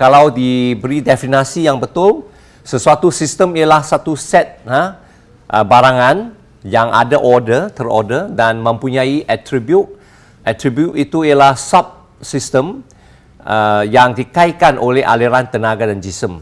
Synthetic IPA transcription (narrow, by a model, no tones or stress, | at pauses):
kalawdibəɾidɛfinasijaŋbət̪ʊl | səsuat̪usist̪əmijalahsat̪usɛt̪̚hə | ʔəbaɾaŋãn | jaŋa̰daʔɔdərt̪əro̰dədanmə̃mpuɲaiʔat̪ɾibjut̚ | ʔɛt̪ɾibjutit̪uijalahsap̚ | sist̪əm | əjaŋdikajkanʔolɛhʔa̰liɾant̪ənaɡadand͡ʒisəm